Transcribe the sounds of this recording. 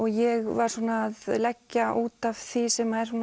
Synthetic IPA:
ɔɣjɛɣvaɾ̥suːnaːðlɛcːaʔuːt̪av̥θisɛmhaðɛɾ̥suːn

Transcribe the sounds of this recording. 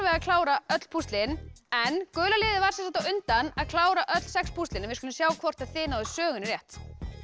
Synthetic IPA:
vɛɣakʰl̥aːwɾaœt̪l̥pʰust̪lɪnɛnkœːlalɪːðɪvaɾ̥sɛnsant̪awʏnt̪anaðkʰl̥aːwɾaʔœt̪l̥sɛkspʰust̪ɪnɛmvɪskʏlʏmsjaːwkʰvɔr̥t̪aðθɪːnawðɪsœːɣʏnɾjɛht̪

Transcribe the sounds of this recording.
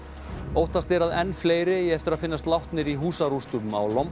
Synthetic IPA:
oːwht̪ast̪ɛɾaðɛnːfleːjɾɪjɛɛft̪ɪɾaðfɪnːast̪lawht̪nɪɾiɦuːsaɾust̪uʏma̰wlɔm

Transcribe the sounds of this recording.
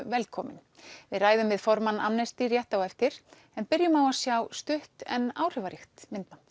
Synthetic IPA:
vɛlkʰɔːmɪ̰nvɪðraːjðʏmvɪðfɔɾmanamnɛst̪iɾjɛht̪awɛft̪ɪɾ | ɛnpɪɾjʏmawasjawst̪ʏht̪ɛ̰naːwr̥ʏvaɾɪxt̪mɪnt̪mant̪

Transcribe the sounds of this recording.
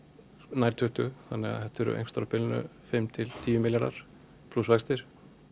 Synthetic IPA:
naːjɾ̥t̪ʰœːht̪ʏθanːɛɣa̰hɛht̪ɛɾʏ̰ʔḛjŋst̪ɔɾapɪlnʏ̰fɪmt̪ʰɪlt̪ʰiːjʏmɪljaɾða̰ɾ̥ | pʰlusvɛkst̪ɪɾ̥

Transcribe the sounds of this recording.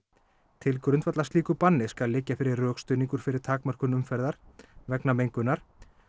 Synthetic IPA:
t̪ʰɪlkɾʏnt̪vat̪last̪liːkʏpanːɪskalːɪcːafɪɾɪɾːœːkst̪œːɥniŋkʏɾ̥fɪɾɪɾ̥t̪ʰaːkmœr̥kʏnʏmfɛɾðaɾ̥vɛknamejŋkʏnːaɾ̥

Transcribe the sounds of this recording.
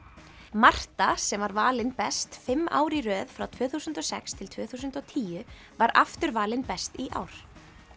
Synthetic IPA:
mar̥t̪asɛmvaɾvaːlɪnpɛst̪fɪmːa̰ːwɾirœːðfɾawt̪ʰvœːθusʏnt̪ɔsɛkst̪ʰɪlt̪ʰvœːθus̬ʏnt̪ɔt̪ʰiːjʏ | vaɾa̰ft̪ʏɾvaːlɪnpɛst̪iʔa̰ːwɾ̥

